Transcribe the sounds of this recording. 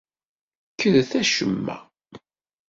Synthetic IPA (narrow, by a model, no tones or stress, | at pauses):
kʰːəðθæʃəmːæ̰